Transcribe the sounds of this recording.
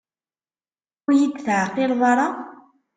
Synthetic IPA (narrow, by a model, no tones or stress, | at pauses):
ʊɾjid̪θʕəqːɪlðˤɑɾˤɑ